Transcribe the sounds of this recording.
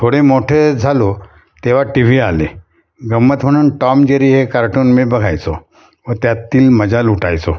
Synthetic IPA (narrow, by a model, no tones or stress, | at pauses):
t̪ʰoɽemoʈʰed͡zʱalo | t̪eʋ̤aʈiʋ̤iːale | ɡəmːət̪m̤əɽ̃uːnʈɔmd͡ʑeɾiːɦekaɾʈuːnmibəɡʱajt͡so | ʋət̪jat̪ːiːlməd͡zaluʈajt͡so